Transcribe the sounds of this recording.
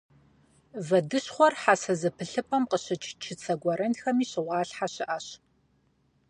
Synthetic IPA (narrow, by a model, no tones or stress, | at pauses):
vɐdɨɕχʷɔrħasɐzɨpʰɨɬɨpʰʼɐmqəɕɨt͡ʃʰt͡ʃʰɪt͡sʰɐɡʷɔɾʔɐnxɐmiːɕɪʁʷɑːɬħaɕɪʔɐɕ